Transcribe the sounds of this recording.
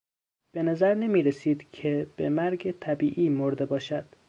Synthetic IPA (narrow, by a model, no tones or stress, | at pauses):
b̥e̞næzæɾnemiːɾesiːd̪cʰeb̥emæɾɡet̪ʰæbiːʔiːmoɾd̪e̞bɒːʃæd̪̥